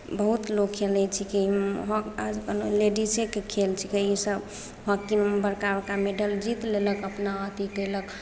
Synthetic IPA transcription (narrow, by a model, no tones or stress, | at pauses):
bəɦut̪lokʰːelɛt͡ʃʰikiiɦɔkad͡ʒkəloleɖisekekʰelt͡ʃʰikiisəb | hɔkinbəɾkaəkameɖəld͡ʒit̪leləkəpnaət̪iɡelək